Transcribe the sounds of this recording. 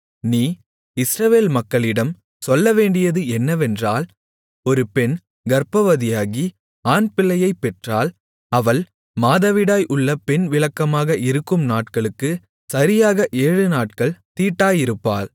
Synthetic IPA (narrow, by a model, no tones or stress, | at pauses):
niː | ɪsɾɐʋeːlmɐkːɐɭɪɽɐm | sɔlːɐʋeːɳɖɪjɐðɯɛnːɐʋɛndraːl | ɔɾɯpɛn | ɡɐɾpɐʋɐðɪjaːɣi | aːnpɪlːɐjɐɪpːɛʈraːl | ɐʋɐl | maːðɐʋɪɽaːjʔʊɭːɐpɛnʋɪɭɐkːɐmaːɣɐʔɪɾɯkːɯmnaːʈkɐɭɯkːɯ | sɐɾɪjaːɣɐʔeːɻɯnaːʈ̚kɐɭt̪iːʈːaːjɪɾɯpːa̰ːl